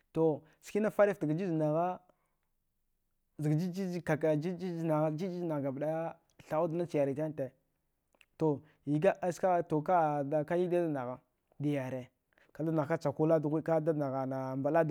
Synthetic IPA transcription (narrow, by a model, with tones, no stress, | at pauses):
to˨ | ski˦na˦fa˦ɾi˦fta˨ɡa˨d͡ʒi˦zna˨ɣa˦ | zɡd͡ʒi˦d͡ʒi˦ka˨ka˨d͡ʒi˦d͡ʒi˦zna˨ɣa˦d͡ʒi˦d͡ʒi˦zna˨ɡa˨bda˦ | ɬa˨u˦dna˦t͡ʃi˨ja˨ɾi˨ta˦n˦te˨ | to˨ | i˨ɡa˦a˦ska˦to˨ka˦˨da˨ka˦ji˦da˦da˦na˨ɣa˨ | di˨ja˨ɾe˨ | ka˨da˦na˨ɣka˦t͡ʃa˨ku˦la˦dɣi˦ka˦da˦na˨ɣa˨na˨mba˨la˦d